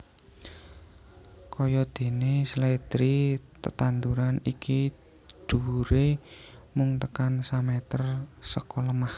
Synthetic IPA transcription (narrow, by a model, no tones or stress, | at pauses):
kɔjɔd̪̥e̤neslɛt̪ɾit̪ət̪and̪uɾaniki | ɖ̪̥ṳɾemʊŋt̪əkansamɛt̪ərsəkɔləmah